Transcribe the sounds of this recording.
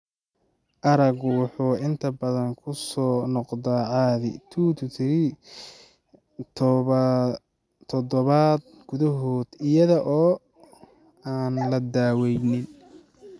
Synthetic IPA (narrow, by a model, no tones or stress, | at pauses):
ʔɐɾɐɡwʊħuːɪnt̪ʰɐbɐðɐŋkʰʊsɔːnɔqd̪aːʕɑːðɪ̰t̪ʰuːt̪ʰʊt̪ʰɪɾi | t̪ʰ | t̪ʰɔd̪ɔβad̪̚ | ɡ̥ʊðɐɦɔːd̪̥ɪjɐðɐʔɔː | aːnlɐd̪aːwɛjnɪn